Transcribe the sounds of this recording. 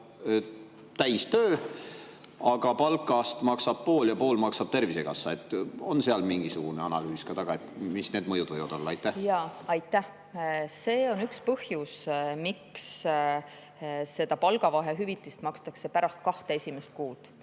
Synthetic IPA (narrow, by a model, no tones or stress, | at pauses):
t̪æjst̪øː | ɑɡ̥ɑpɑlkːˑɑst̪mɑksɑb̥̚po̞ːljɑpo̞ːlmɑksɑb̥̚t̪e̞rvisekɑ̰sːɑe̞t̪ːˑo̞̰nse̞ɑlmiŋɡ̥isuɡ̥uneɑnɑlyːskɑt̪ɑɡ̥ɑe̞t̪misne̞ːd̪̥mɤjud̪̥vɤjvɑd̪o̞lːɑɑjt̪ːˑæhjɑːɑjt̪ːˑæh | se̞ːo̞nykspɤhjusmiks | se̞d̪̥ɑpɑlɡ̥ɑvɑɦeɦyvit̪ːˑist̪mɑkst̪ɑkse̞pæɾɑst̪̚kɑht̪eesʲimest̪̚kuːd̪̥